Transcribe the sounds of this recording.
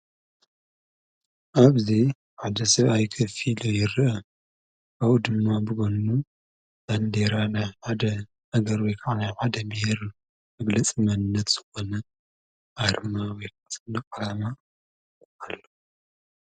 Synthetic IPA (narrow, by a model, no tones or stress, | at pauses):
ʔaβzi | ħad̪ɐsɐβajkʰɐfilojɪɾɨʔɐ | awud̪ɨmːabɨɡonːu | zand̪eɾanajħad̪ɐ | haɡɐɾwɔjkʰaʕanajħad̪ɐbɨhiɾ | mɐɡlɐt͡sʼimɐnnːɐt̪z̥ɨ̥xonɐ | ʔaɾmawɔjkʰasʼɨnɐkʼɐlama | alːo